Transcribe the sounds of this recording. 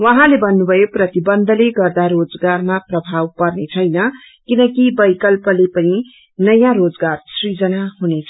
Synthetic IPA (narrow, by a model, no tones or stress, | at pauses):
wʌɦãlebʱʌnːubʱʌjoprʌt̪ibʌnd̪ʱʌleɡʌrd̪aɾod͡zɡarmaprʌbʱawpʌrnet͡sʰʌjnʌ | kinʌkibʌjkʌlpʌlepʌni | nʌjãɾod͡zɡarsrid͡zʌnaɦunet͡sʰʌ